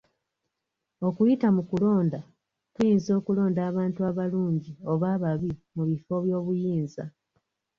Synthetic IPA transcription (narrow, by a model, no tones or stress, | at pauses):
o̞kujitamukulo̞ːnda | tujiːnzo̞ːkulo̞ːndaːβaːntuaβaluːɲɟio̞βaːβaβimuβifo̞βjo̞ːβujiːnza̰